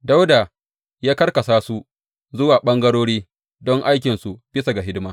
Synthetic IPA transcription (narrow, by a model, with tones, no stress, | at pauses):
da˦wda˨ | jaː˦kɐ˦rkɐ˨saː˦su˦ | zʊ˦waː˨ɓɐ˦ŋɡɐ˦ɽoː˦ɽiː˦ | dɔ˦ŋʔa˦jkʲɪ˨nsu˨b̥ɪ˦sa˨ɡa˨ɦɪ˦dɪ˦maː˦